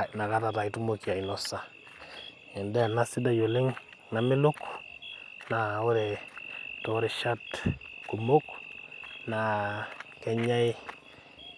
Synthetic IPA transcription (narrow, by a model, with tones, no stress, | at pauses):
na˨ka˦ta˨ta˨itu˦mokja˨i˨nɔ˨sa˦ | ɛ˨ndɛ˦˨na˦si˦da˨jo˨le˦ŋ | na˨mɪ˦lʊ˦k | na˨o˦ɾe˨to˨ɾe˨ʃa˦tku˨mo˦k | na˨kɛ˦ɲa˦ɪ˦